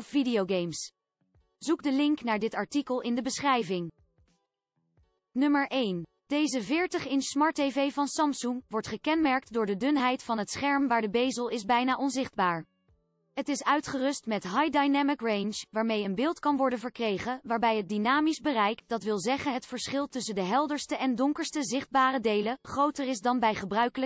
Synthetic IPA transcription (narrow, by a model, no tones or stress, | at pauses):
fvidioɡejms | z̥ukdəlɪŋknaːɹdɪtɑɹtikəlˠʔɪndəbəsχrɛjvɪŋ | nɵməɹʔejn | d̥ejzəvɪːɹtəχɪnsmɑɹtejvejvɑnsɑmpsuŋʋɔɹtχəkɛnmɛɹk̚tdʊːɹdədɵnɦɛjtfɑnɦətsχɛɹmʋaːɹdəbejzəlˠɪzbɛjnaːʔɔnzɪχd̚baːɹ | ɦətɪsœɥtχərɵstmɛtɦɑjdajnɛmɪkrejnʃʋaːɹmejənbɪːlˠtkɑnʋɔɹdənvəɹkrejχənʋaːɹbɛjɦət̚dinaːmizbərɛjkd̥ɑtʋɪlˠzɛχənɦətfəɹsχɪlˠtɵsəndəɦɛlˠdəɹstəʔɛndɔŋkəɹstəzɪχd̚baːrədejləχrowtəɹɪzdɑnbɛjχəbrœɥkələ